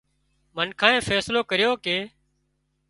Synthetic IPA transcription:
mənkʰãːẽːfɛːsloːkəɾɪjoːkeː

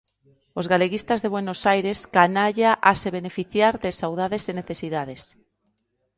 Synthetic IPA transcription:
ozɣaleɣist̪azðeβwenosajɾeskanaʎaʔaseβ̞e̞nefiθjaɾðesawðaðeseneθesiðaðes

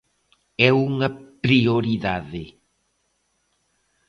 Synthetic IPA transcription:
ɛuŋɐpɾioɾiðaðɪ

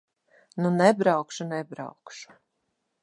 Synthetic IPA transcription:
nunɛbɾawkʃunɛbɾaɑ̰wkʃu̥

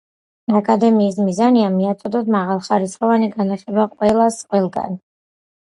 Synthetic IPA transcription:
akʼad̪ɛmiːs̬mizaniamiat̪sʼɔd̪ɔd̪maʁalˠχaɾisχɔvaniɡanaχɛbaqʼwɛlˠasqʼwɛlˠɡa̰n

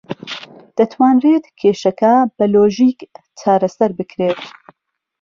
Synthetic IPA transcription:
d̪̥ɐt̪ʰwaːnreːt̪kʲʰeːʃɐkʰɐbɐloːʒiːk | t͡ʃʰaːɾɐsɐɾbɨkʰɾeːt̪

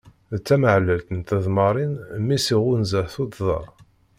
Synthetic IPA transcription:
ðt͡sːæməʕlːəlt̪ənt̪əðˤmɑɾˤinmːisiʁʊnzəθut̪ðɑ̰

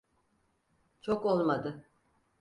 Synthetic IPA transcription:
t͡ʃʰoko̞lˠmad̪ɯ

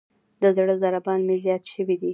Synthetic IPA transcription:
d̪əzɽəzaɾabɑnmezjɑt̪ʃəwid̪i

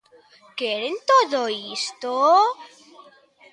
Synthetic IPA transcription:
keɾent̪oðoist̪o

